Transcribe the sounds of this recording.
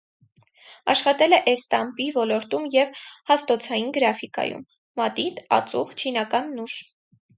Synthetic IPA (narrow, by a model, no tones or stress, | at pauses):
ɑʃχɑt̪ɛlɛʔɛst̪ɑmpivɔlɔɾt̪umjɛvhɑst̪ɔt͡sʰɑjinɡəɾɑfikɑ̰jṵmː | ɑt̪it̪ɑ̰t͡suχt͡ʃʰinɑkɑnːuʃ